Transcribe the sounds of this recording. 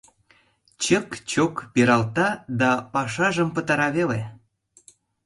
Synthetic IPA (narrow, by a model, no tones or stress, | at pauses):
t͡ɕəkt͡ɕokpeɾɑlt̪ɑd̪ɑpɑʃɑʒəmpə̆t̪ɑɾɑβele